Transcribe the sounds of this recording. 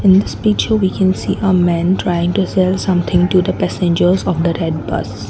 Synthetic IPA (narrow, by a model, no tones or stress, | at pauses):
ɪ̃nd̪ɪspit͡ʃəʋiːkʰɛ̃nsiːʔəmɛ̃nʈɾaɪɪ̃ŋʈusɛlsʌ̃mt̪ʰɪ̃ŋʈud̪əpæsẽnd͡ʒəɾzɔːʋd̪əɾɛɖ̚bʌ̰s